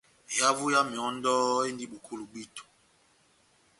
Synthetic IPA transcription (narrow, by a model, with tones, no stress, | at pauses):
ja˦vu˦ja˦mi˨ɔ˨˦n˦dɔ˦e˦ndi˦ɓu˨kʰu˦lu˨ɓi˦tu̥˨